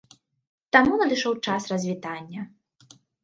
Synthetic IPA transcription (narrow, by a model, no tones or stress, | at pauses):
t̪amunɐd̪ɨʂɔwt͡ʂasrɐzʲvʲit̪anʲːɐ